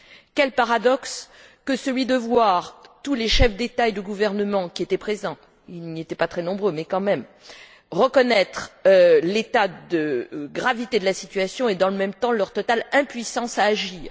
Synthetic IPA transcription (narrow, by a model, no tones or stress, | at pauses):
kʲɛlpaʁad̪ɔkskəsəlɥid̪əvwaʁt̪uleʃɛfd̪et̪aed̪əɡuvɛʁnəmɑ̃kʲiet̪ɛpχezɑ̃ | ilniet̪ɛpat̪χɛnɔ̃bʁømɛkɑ̃mɛm | ʁəkɔnɛt̪χlet̪ad̪əɡʁavit̪ed̪əlasit̪ɥasjɔ̃ed̪ɑ̃ləmɛmt̪ɑ̃lœʁt̪ɔt̪alɛ̃pɥisɑ̃saːʒiːʁ